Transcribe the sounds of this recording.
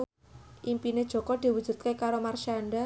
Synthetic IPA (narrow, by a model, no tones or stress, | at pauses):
ʔimpined̥ʒ̥ɔ̤kɔd̪̥i̤wudd͡ʒ̥ṳt̪̚kekaɾomarʃanɖa